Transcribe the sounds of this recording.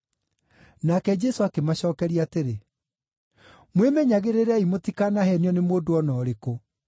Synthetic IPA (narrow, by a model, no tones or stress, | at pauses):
nakɛd͡ʒɛsoakemaɕɔːkɛɾiateɾe | mwemɛɲaɣeɾeɾɛimotikanahɛnjɔnemoːdoɔnɔːɾeko